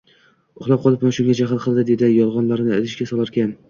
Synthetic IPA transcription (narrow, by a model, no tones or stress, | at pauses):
ʊχlˠap̚qɒlˠɪp̚maʃʊŋɡʲad͡ʒaɦɨlˠqʰɨlˠd̪ɪd̪ed̪ɪjɒlˠʁɒnlaɾnɪɪlɪʃkʲasɒlˠaɾkʲan